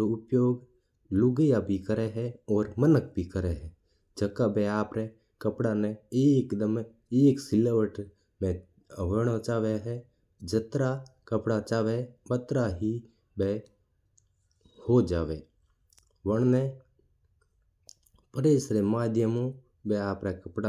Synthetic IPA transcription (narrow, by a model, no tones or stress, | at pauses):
oʊpjoːɡ | lʊɡəjabʱikəɾeɦɛɔːɾmənək̚bʱikəɾeɦɛ | d͡ʒəkːabeaːpɾe | kəpɽaneeːkd̪əm | eːksɪleʋəʈ | mẽ | əʋəɽ̃ot͡ʃaːʋeɦɛ | d͡ʒət̪ɾakəpɽat͡ʃaːʋebət̪ɾaɦi | be | hod͡ʒaːʋe | ʋəɳ̃ne | pəɾeːsɾemaːd̪jəmõ | beaːpɾakəpɽa